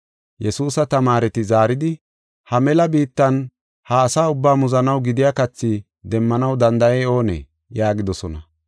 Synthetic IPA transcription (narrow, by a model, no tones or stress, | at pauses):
jɛsuːsɐt̪ɐmaːɾɛt̪ɪzaːɾɪd̪ɪ | hɐmɛlɐbiːt̪ːɐn | hɐːsaːʊbːaːmʊzɐnɐwɡɪd̪ɪjakɐt͡sːɪ | d̪ɛmːɐnɐwd̪ɐnd̪ɐjɛo̞ːnɛ̰ | jaːɡɪd̪ɔsɔnɐ